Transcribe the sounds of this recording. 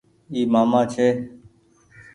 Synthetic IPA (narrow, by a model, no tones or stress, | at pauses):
iːmaːmãːt͡ʃʰeː